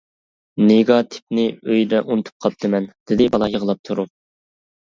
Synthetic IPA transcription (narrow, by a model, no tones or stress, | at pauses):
neɡɑt̪ʰɪ̥p̚nɪøjd̪ɛʔunɨt̪ʰu̥p̚qʰɑp̚t̪ʰɨmɛnd̪̥ɪd̪ɪbɑlˠɑjəʁlˠɑp̚t̪ʰuɾu